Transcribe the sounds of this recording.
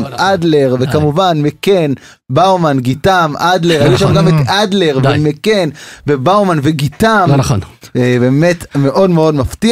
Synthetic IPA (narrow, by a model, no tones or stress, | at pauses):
ʔad̪le̞ʁvekamuvanmeken | bawmanɡitamʔad̪leʁajuʃamɡamet̪ad̪leʁvemekenvebawmanveɡitamχnbe̞ːmetme̞ʔo̞dmeo̞dmafti